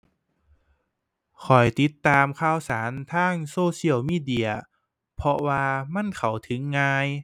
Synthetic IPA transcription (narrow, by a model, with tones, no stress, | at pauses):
kʰɔ˨˩jt̪i˧˦˥t̪ːaː˧mkʰaː˧˥˩wsaː˩˦nt̪ʰaː˧˥˩ŋsoː˧˩si˧˥˩əwmiː˧˥˩di˧˩ɐ | pʰɔ˧waː˧ma˧˥˨nkʰa˨˩wt̪ʰɯ˨˩˦ŋːaː˧j